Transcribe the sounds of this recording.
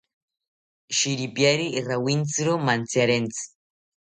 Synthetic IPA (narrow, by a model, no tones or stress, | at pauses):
ʃiɾipjeɾirawint͡sɾomant͡siaɾent͡si̥